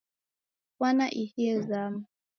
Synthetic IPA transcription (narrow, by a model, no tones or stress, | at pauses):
wanaʔihiɛzama